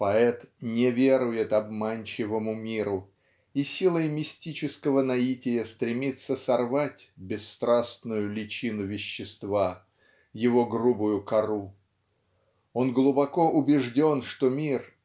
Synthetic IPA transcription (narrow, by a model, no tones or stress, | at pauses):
pɐɛt̪nʲɪvʲeɾʊjɪt̪ɐbmanʲt͡ɕɪvəmʊmʲiɾʊ | isʲilˠəjmʲɪsʲtʲit͡ɕɪskəvənɐitʲɪjəst̪ɾʲɪmʲit̪sːəsɐrvatʲbʲɪsːt̪ɾasnʊjʊlʲɪt͡ɕinʊvʲɪɕːɪst̪va | jɪvo̞ɡɾubʊjʊkɐɾu | o̞nɡlˠʊbɐko̞ʔʊbʲɪʐdʲo̞nʂt̪omʲir